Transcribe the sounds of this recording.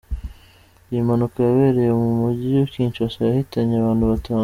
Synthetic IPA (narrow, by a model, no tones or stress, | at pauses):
imanukajaβeɾe̞jemumuɟijuciːnt͡ʃuasajahitaɲeaβaːnhuβatʰaː